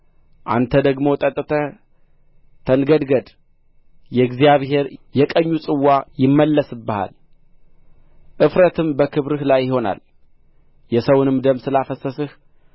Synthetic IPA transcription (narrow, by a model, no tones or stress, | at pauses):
ʔa̰nt̪ʰəd̪əɡmo̞t̪ʼət̪ʼːɨt̪ʰə | t̪ʰənɡəd̪ɡəd̪ | jɛɡzjaβhe̞ɾjɛkʼəɲːusʼɨwːajɪmːəlːəsɨbːəha̰l | ʔɨfɾət̪ʰɨmbəkʰɨβɾɨhlajːɪhona̰l | jɛsəwunɨmd̪əmsɨlafəsəsɨh